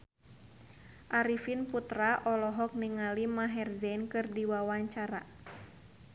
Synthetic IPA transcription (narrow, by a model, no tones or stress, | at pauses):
ʔaɾifinput̪ɾaʔɔlɔɦɔk̚niŋalimaɦɛrzɛnkɨrdiwawaɲt͡ʃaɾa̰